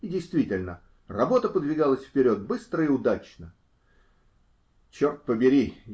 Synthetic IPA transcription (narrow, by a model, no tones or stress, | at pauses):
ɪdʲɪjst̪vʲitʲɪlʲnə | rɐbo̞t̪əpəd̪vʲɪɡalˠəsʲfpʲɪɾʲo̞t̪̚bɨst̪ɾəɪʊd̪at͡ɕnə | t͡ɕort̪̚pəbʲɪɾʲi